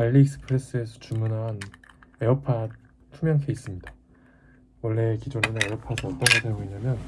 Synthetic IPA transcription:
aʎːiːk̚s͈ʰɯ̥pʰɯɾe̞s͈ɯesʰʌ̥t͡ɕumunɦaneʌpʰa | tʰumjʌŋkʰeis͈ɯmɲida | wʌɭːe̞kid͡ʑoɾenɯneʌpʰasʰʌʌt͈ʌnɡʌdeɡoiɲamjʌn

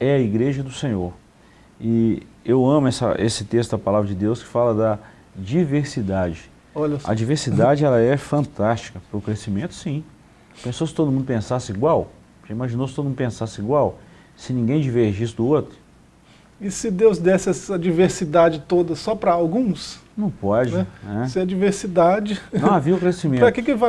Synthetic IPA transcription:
ɛɐiɡɾeʒɐd̪ʊsẽɲoɾ | ɪ | ewɐ̃mʊɛsɐ̰ʔesɪt̪est̪ʊd̪ɐpalavɾɐd͡ʒɪd̪ewskɪ̥falɐd̪ɐ | d͡ʒiveɾsid̪ad͡ʒɪ | ɔʎɐɐ̰d͡ʒiveɾsid̪ad͡ʒɪɛlɐɛfɐ̃nt̪ast͡ʃi̥kɐpɾʊkɾesimẽnt̪ʊ̥sĩ | pẽsosɪ̥t̪od̪ʊmũd̪ʊpẽsasɪiɡwaw | ʒaimaʒinosɪt̪od̪ʊmũd̪pẽsasɪiɡwaw | sɪnĩɡẽj̃d͡ʒiveɾʒisɪd̪ʊot̪ɾʊ | ɪsɪd̪ewzd̪ɛsɪɛsɐd͡ʒiveɾsid̪ad͡ʒɪt̪od̪ɐsɔpɾɐawɡũsnɐ̃w̃pɔd͡ʒnɪɛnɛsɐd͡ʒiveɾsid̪ad͡ʒɪɐ̃w̃aviɐʊkɾesimẽpɾɐkɪkɪva

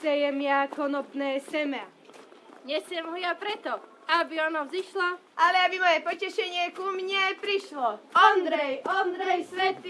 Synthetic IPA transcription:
sɛjɛmɪakɔnɔpnɛːsɛmɛa | ɲɛsɛmɦɔjapɾɛt̪ɔ | abiɔnɔziʃlaʔalɛabimɔjɛpɔcɛʃɛɲɪɛkumɲɛpɾiʃlɔɔnd̪ɾɛjɔnd̪ɾɛjsʋɛt̪i

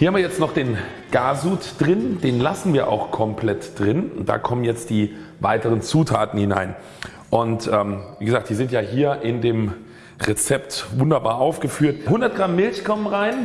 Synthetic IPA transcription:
hiːɐhamviːɐjɛt͡stnɔχd̥eːn | ɡ̥aːzuːtd̥ʁɪnd̥eːnlasn̩viːɐʔa̰ʊxkʰɔmpʰlɛtd̥ʁɪnʊnt̚d̥a̰ːkʰɔmənjɛt͡std̥iːvaɪtəʁənt͡suːtʰaːtn̩hɪna̰ɪn | ʔʊntʔɛːmviːɡəzaːktd̥iːzɪntjaːɦiːɐʔɪndeːm | ʁet͡sɛptvʊndɐba̰ːɐʔaʊfɡ̥əfyːɐtɦʊndɐt̚ɡ̥ʁamːɪlçkʰɔmənʁaɪn

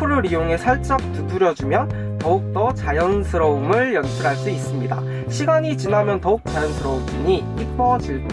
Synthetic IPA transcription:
uɾɯɾijoŋe̞sʰʌɭt͡ɕ͈ʌk̚t͈uduɾjʌd͡ʑumjʌn | tʌuk̚t͈ʌt͡ɕajʌnsʰɯɾʌumɯɭjʌnsʰɯɾɦaɭs͈uis͈ɯmɲida̰ | ɕʰiɡaɲit͡ɕinamjʌntʌuk̚t͡ɕ͈ajʌnsʰɯɾʌumd͡ʑuɲi | ip͈ʰʌd͡ʑiɭ

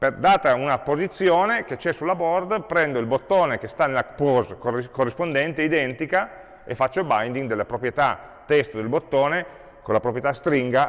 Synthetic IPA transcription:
ped̪aːt̪aunapːozit̪sːjoːneket͡ʃɛsːulːabɔrd̪pɾɛnd̪oilbot̪ːoːnekest̪anelapozkoikorːispond̪ɛnt̪eid̪ɛnt̪ika | ḛfːat͡ʃːobajnd̪iŋɡd̪elːapɾopɾjet̪a | t̪ːɛst̪od̪elbot̪ːoːne | konlːapɾopɾjet̪ast̪ɾiŋɡa

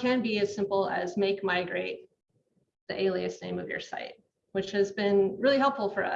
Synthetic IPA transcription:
kʰɨ̃nbiɨz̥sɪ̃mpl̩ˠɨ̰zmeɪkmaɪɡɹeɪt̪̚ | ðiʔeɪlˠiɨsnẽɪ̃mʌvjə̰˞sa̰ɪt̚ | wɨt͡ʃhɨzbɪ̃nɹɪlˠiɦɛlˠpfl̩ˠfə˞ʌ̰

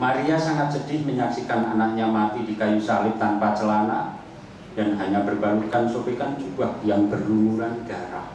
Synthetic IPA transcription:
maɾiasaŋat̪̚sədɪhməɲaksikananak̚ɲamat̪idikajusalɪp̚t̪anpat͡ʃəlana | d̥anɦaɲabərbanukansobekand͡ʒubahjaŋbərlumuɾanəɡ̥aɾah

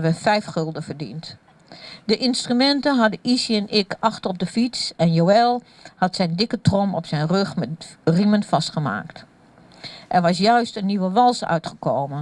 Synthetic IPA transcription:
ʋəfɛjfxølˠdəfərdḭnt | dəʔɪnstrymɛntənɦɑdəisiɛnɪkɑxtəɔb̚dəfit͡sɛnjowɛlˠ | hɑtsɛjndɪkətrɔmɔ̰psɛjnrøxmɛrimənfɑstχəma̰ːkt | ʔɛrʋɑs̬jœɥstənːiʋəʋɑlˠsœ̰ɥtχəkoːmən

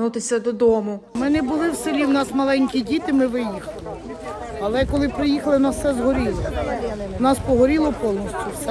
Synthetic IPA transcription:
nut̪ɪsʲɐd̪ɔd̪ɔmʊmɪnɛbʊlˠɪwsɪlʲiwnɑsmɐlˠɛnʲkʲidʲit̪ɪmɪʋɪjixɐlˠɪ | ɐlˠɛkɔlˠɪpɾɪjixɐlˠɪwnɑssɛzɦɔɾʲilˠɔ | wnɑspɔɦɔɾʲilˠɔpɔlˠnɔsʲtʲʊwsɛ

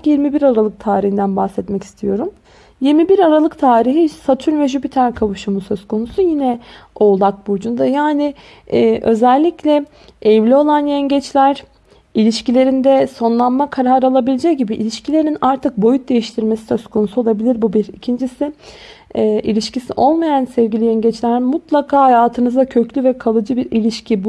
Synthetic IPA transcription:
kjiɾmibiɾaɾalˠɯk̚t̪ʰaːɾihind̪ænbahsɛt̪mɛci̥st̪ʰijo̞ɾum | jiɾmibiɾaɾalˠɯkt̪ʰaːɾiɦisat̪ʰyɾvɛʒybit̪ʰæɾkʰavuʃumusøzkʰo̞nusujinɛo̞lˠak̚bud͡ʒund̪ajaːnɪː | ʔø̞zɛlʲːiclʲɛ | ɛvlʲio̞lˠanjɛɲɟɛt͡ʃlʲæɾ | ilʲiʃcilʲe̞ɾind̪ɛso̞nlˠanmakʰaɾaɾalˠabilʲed͡ʒɛc̚ɟibiʔilʲiʃcʰilʲe̞ɾninaɾt̪ʰɯk̚bo̞jut̪̚d̪e̞jiʃt̪ʰiɾme̞si̥sø̞zkʰo̞nusuo̞lˠabilʲiɾbubiɾicʰind͡ʒisɪː | ʔilʲiʃcisḭʔo̞lˠmajansɛvɟilʲijɛɲɟɛt͡ʃlʲæɾmut̪lˠakʰaːhajaːt̪ʰɯnɯzd̪acʰø̞clʲyvɛkʰalˠɯd͡ʒɯbiɾilʲiʃcʰib

